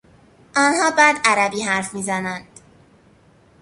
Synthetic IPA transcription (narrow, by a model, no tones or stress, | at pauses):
ʔɒːnhɒːbæːd̪æɾæbiːɦæɾfmiːzænænd̪̥